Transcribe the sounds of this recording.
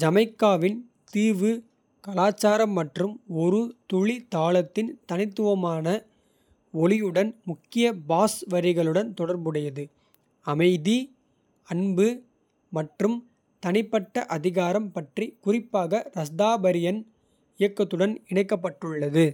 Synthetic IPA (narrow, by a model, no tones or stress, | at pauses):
d͡ʒɐmɐɪkːaːʋɪn | t̪iːʋɯ | kɐlaːt͡ʃːaːɾɐmːɐʈrɯmɔɾɯt̪ʊɻit̪aːɭɐt̪ːɪnt̪ɐnɪt̪ːɯʋɐmaːnɐ | ɔlɪjɯɽɐnmʊkːɪjɐbaːsʋɐɾɪɣɐɭɯɽɐnt̪ɔɽɐɾbɯɽɐjɐðɯ | ɐmɐɪði | ɐɳbɯ | mɐʈrɯm | t̪ɐnɪpːɐʈːɐʔɐðɪɣaːɾɐmpɐʈrikʊrɪpːaːɣɐɾɐsd̪aːbɐɾɪjɐn | ɪjɐkːɐt̪ːɯɽɐnɪɳɐɪkːɐpːɐʈːɯɭːɐðɯ